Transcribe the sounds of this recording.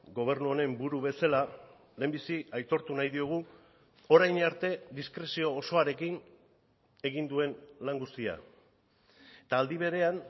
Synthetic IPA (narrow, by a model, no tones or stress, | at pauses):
ɡo̞β̞e̞ɾnuone̞mbuɾuβe̞sala | le̞ːmbisiajt̪o̞ɾt̪unajðio̞ɣ̞u | o̞ɾajnaɾt̪e̞ðiskɾe̞sio̞ːso̞aɾe̞kin | e̞ɣind̪ue̞nlaŋɡust̪ia̰ | et̪aːld̪iβ̞e̞ɾe̞an